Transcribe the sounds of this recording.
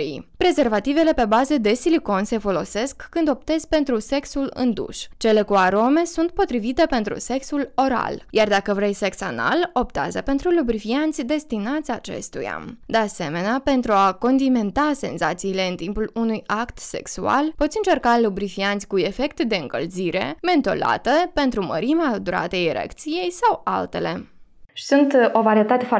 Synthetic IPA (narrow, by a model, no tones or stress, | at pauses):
ijpɾe̞ze̞rvat̪ive̞le̞pe̞bazəd̪e̞siliko̞nse̞fo̞lo̞se̞skːɨnd̪o̞p̚t̪e̞zpe̞nt̪ɾuse̞ksulɨ̰nd̪ṵʃt͡ʃe̞le̞kuaɾo̞me̞sunt̪̚po̞t̪ɾivit̪e̞pe̞nt̪ɾṵse̞ksulo̞ɾa̰ljard̪akəvɾe̞jse̞ksa̰na̰lo̞p̚t̪a̰zə̰pe̞nt̪ɾulubɾifiant̪sʲd̪e̞st̪inat̪sʲat͡ʃe̞̰st̪ṵja̰d̪e̞ase̞me̞neape̞nt̪ɾuako̞nd̪ime̞nt̪ase̞nzat̪siːle̞ɨnt̪impulunujakt̪se̞̰ksua̰lpo̞t̪sʲiɨnt͡ʃe̞rkalubɾifiant̪sʲkue̞fe̞k̚t̪d̪e̞ɨŋkəlziɾe̞̰me̞nt̪o̞̰la̰t̪əpe̞nt̪ɾumə̰ɾimad̪uɾa̰t̪eiɾḛkt̪sije̞jsawa̰lt̪e̞le̞ʃi̥sunt̪ovaɾiet̪at̪ef